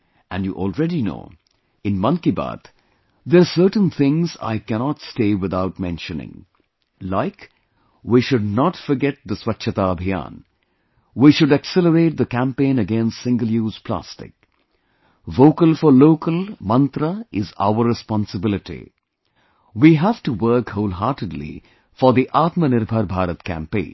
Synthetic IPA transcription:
æ̃nɖjṵːʔɔlˠɹɛɾino̰ː | ɪ̃nmʌ̃nkiba̰t̪ | d̪əɾsəːɾʈn̩t̪ʰɪ̃ŋza̰ɪkænɑtsteːwɪd̪aʊʈmɛ̰̃nʃənɪ̰̃ŋ | laɪk | wiʃʊdnɔʈfɔɾɡɛt̪̚d̪əswʌtʃʰət̪aːbʱijã̰ːn | ʋiʃʊɖəksɛləɾeːʈ̚d̪əkæ̃mpẽːnəɡɛ̃nstsɪ̃ŋɡəljuːz̥pʰlæ̰stɪ̰k̚ | ʋoːkəlfɔɾloːkəlmʌ̃nt̪ɾəɪza̰ʊəɾːɛspɔ̃nsəbɪlɪʈḭ | wiːɦæv̥ʈuwəɾkhoʊlɦaːɾʈəɖlḭ | fɔɾd̪iʔaːt̪mənɪɾbʱəɾbʱaːɾət̪kæ̰̃mpḛ̃ːn

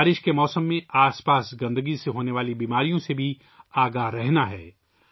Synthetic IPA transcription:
ɾɪʃkemɔːsəmːẽaːspaːsɡɐ̃nd̪əɡiseɦoːneʋaːlibiːmaːɾijõsebʱi | aːɡaɦɾɛɦnaɦɛː

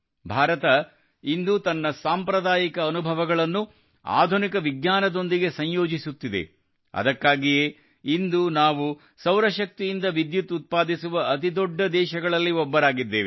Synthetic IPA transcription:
bʱaːɾɐt̪ɐ | ind̪ut̪ɐnːɐsaːmpɾɐd̪aːjikɐːnubʱɐʋɐɡɐɭɐnːu | a̰ːd̪ʱunikɐʋiɡɲaːnɐd̪o̞nd̪iɡe̞sɐɲjoːd͡ʒisut̪ːid̪e̞̰ | ɐ̰d̪ɐkːaːɡijeː | ind̪unaːʋu | sɐwɾɐʃɐk̚t̪ijind̪ɐʋid̪jut̪ːut̪̚paːd̪isuʋɐɐt̪̬id̪ɔɖːɐd̪ɛːʃɐɡɐɭɐlːiɔbːɐɾaːɡid̪ːeːʋe

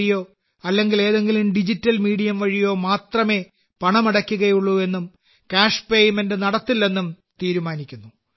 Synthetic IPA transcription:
ijo̞ː | ɐlːe̞ŋɡile̞ːðeŋɡilumɖid͡ʑitːɐlmiːɽijɐmʋɐɻijo̞ːmaːt̪rɐme̞ː | pɐɳɐmɐɽɐkʲːuɣɐjuɭːue̞nːum | kaːʂpe̞ːjumendɨnɐɽɐt̪ːilːe̞nːum | t̪iːɾumaːnikʲːunːu

